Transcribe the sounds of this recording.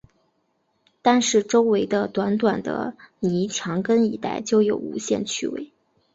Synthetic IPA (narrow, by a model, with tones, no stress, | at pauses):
t̪a˥˧nʂɻ̩˥˩ʈ͡ʂo˥ʊwe˧˥ɪd̪ə˧t̪wa˧˥nt̪wa˨˩nd̪ə̰˦ni˧˥t͡ɕʰjɑ˧˥ŋkə˥ni˧˥t̪a̰˥˩ɪt͡ɕjo˥˧ʊjo˨˩ʊṵ˧˥ɕjɛ̰˥˧nt͡ɕʰy̰˥wḛ˥˩ɪ